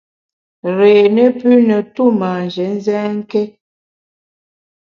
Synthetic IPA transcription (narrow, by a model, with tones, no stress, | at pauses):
ɾeː˨nə˦pʉ˦nə˨tu˦ma˨n˨d͡ʒɛ˨˦n̩˦zɛː˦ŋ̩˦kɛ˦